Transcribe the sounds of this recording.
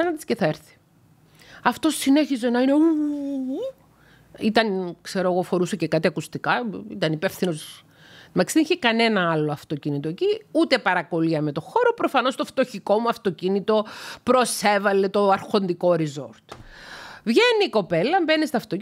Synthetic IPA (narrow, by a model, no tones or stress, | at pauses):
ɐnɐnd̪isceθɐeɾθi̥ | ɐft̪osːine̞çize̞nɐine̞u | it̪ɐnkse̞ɾoeɣofo̞ɾusɐcekɐt̪iɐkust̪ikɐḭt̪ɐnipe̞fθino̞s | mɐksiiçekɐne̞nɐɐloɐft̪o̞cinit̪o̞eciut̪e̞pɐɾɐko̞liɐme̞t̪o̞xo̞ɾo̞pɾo̞fɐno̞st̪oft̪o̞çiko̞muɐft̪o̞cinit̪o̞pɾo̞se̞vɐle̞t̪o̞ɐɾxo̞nd̪iko̞ɾizoɾt̪ | vʝenːiko̞pe̞lːɐmbe̞nist̪ɐft̪o